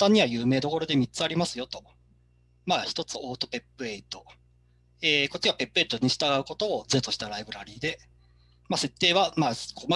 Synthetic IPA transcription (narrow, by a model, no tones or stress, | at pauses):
ãɲ̟ːiβajɯ̟ːme̞ːd̪o̞ko̞ɾo̞d̪e̞mʲit͡sɨaɾʲimasɨjo̞t̪o̞̥ | maːçi̥t̪o̞t͡sɨo̞ːt̪o̞pe̞pːɯ̟e̞it̪o̞ | eːko̞t͡ɕːiβape̞pːɯe̞ːit̪o̞ɲ̟iɕi̥t̪aɡaɯ̟ko̞t̪o̞ːd͡ze̞t̪o̞ɕi̥t̪aɾaibɯ̟ɾaɾʲiːd̪e̞ | mase̞t̪ːe̞ːβamaːkoːma